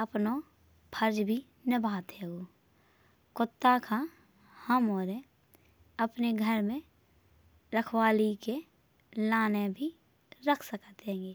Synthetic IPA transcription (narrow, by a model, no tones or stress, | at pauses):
əpno | pʰəɾd͡ʒbʱi | nəbʱaːt̪eɡoː | kʊt̪ːakʰa | həmoːɾe | əpneɡʱəɾmẽ | ɾəkʰwaːlike | laːnebʱi | ɾəkʰsəkət̪ɦẽːŋɡeː